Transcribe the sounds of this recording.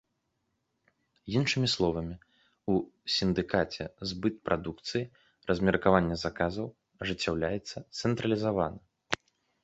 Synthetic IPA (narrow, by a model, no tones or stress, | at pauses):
jinʂɨmʲislˠɔvɐmʲi | usʲind̪ɨkat͡sʲɛ̰zbɨt̪̚pɾʔad̪ukt̪sɨji | rɐzʲmʲɛrkavanʲːɛzakazɐw | ɐʐɨt͡sʲːawlʲajɛt̪sːɐt̪sɛnt̪ɾɐlʲizavanɐ